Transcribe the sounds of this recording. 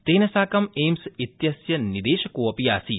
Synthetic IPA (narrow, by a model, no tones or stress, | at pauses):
t̪eːnɐsaːkɐmeːmsit̪jɐsjɐnid̪eːʃɐkuːɐpijaːsi